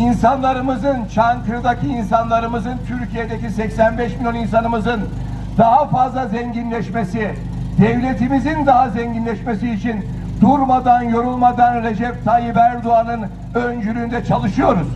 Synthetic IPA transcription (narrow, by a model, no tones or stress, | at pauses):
insanlˠaɾɯmɯzɯnt͡ʃʰankʰɯɾɯd̪acʰiːnsanlˠaɾɯmɯzɯnt̪ʰyɾcʰije̞d̪ecʰisɛcsænbɛʃmʲilʲjoninsanɯmɯzɯn | d̪̥aɦafazlˠazɛɲɟinlʲɛʃmesi | d̪̥ɛvlʲe̞t̪ʰimizind̪aɦazɛɲɟinlʲɛʃmesiːt͡ʃʰin | d̪uɾmad̪anjo̞ɾulˠmad̪anɾe̞d͡ʒɛp̚t̪ʰajibæɾd̪uanɯn | ønd͡ʒyɾyːnd̪ɛt͡ʃʰalˠɯʃɯjo̞ɾun